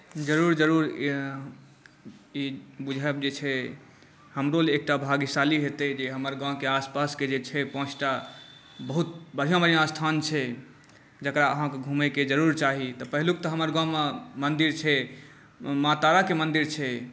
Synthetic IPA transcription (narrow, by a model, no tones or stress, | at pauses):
d͡ʒəɾuɾd͡ʒəɾuɾ | ibud͡ʒʱɛbd͡ʒet͡ʃʰɛ | həmɾolek̚ʈabʱaɡisaliɦet̪əd͡ʒeɦəməɾɡãkeaspasked͡ʒet͡ʃʰɛpɔ̃t͡ʃʰʈa | bəɦut̪̚bəɽ̤ijãbəɾijãst̪ʰant͡ʃʰɛ | d͡ʒəkɾaəɦãkeɡʱũmeked͡ʒəɾuɾt͡ʃaɦit̪ɔpəɦiluk̚t̪ɔɦəməɾɡãmemənd̪iɾt͡ʃʰɛ | mat̪aɾakemənd̪iɾt͡ʃʰɛ